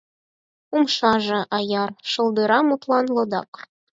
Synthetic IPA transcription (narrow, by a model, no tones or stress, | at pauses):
umʃɑʒɤ̆ʔɑjɑrʃɤ̆lˠd̪ɤɾɑmut̪lˠɑnlˠɤ̆d̪ɑ̰k